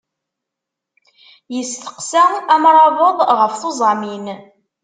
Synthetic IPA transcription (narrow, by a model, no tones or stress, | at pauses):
jəsθə̥qsææmɾˤɑvəðˤʁəfθozˤɑmin